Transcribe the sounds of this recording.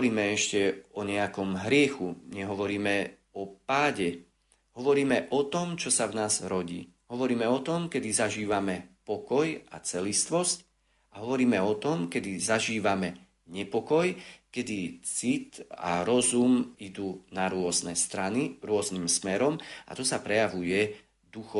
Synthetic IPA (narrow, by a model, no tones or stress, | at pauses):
ɾiːmɛɛʃcɛɔɲɛakɔmɦɾɪɛxuɲɛɦɔʋɔɾiːmɛ | ɔpaːɟɛ | ɦɔʋɔɾiːmɛʔɔt̪ɔmt͡ʃɔsavnaːzɾɔɟḭː | ɦɔʋɔɾiːmɛɔt̪ɔmkɛd̪izaʒiːʋamɛpɔkɔja̰t͡sɛlist̪ʋɔsc | aɦɔʋɔɾiːmɛɔt̪ɔmkɛd̪izaʒiːʋamɛ | ɲɛpɔkɔjkɛd̪it͡sit̪a̰ɾɔzumid̪uːnaɾʊɔznɛst̪ɾaniɾʊɔznimsmɛɾɔma̰t̪ɔsapɾɛjaʋujɛ | d̪uxɔ